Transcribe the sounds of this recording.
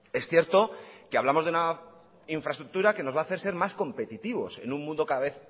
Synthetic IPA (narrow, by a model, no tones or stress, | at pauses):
e̞sθje̞ɾt̪o̞keaβlamo̞zðeuna | iɱfɾast̪ɾuk̚t̪uɾake̞no̞zβaːθe̞ɾse̞ɾmasko̞mpe̞t̪it̪iβo̞̰se̞̰nũmmũnd̪o̞kaðaβe̞θ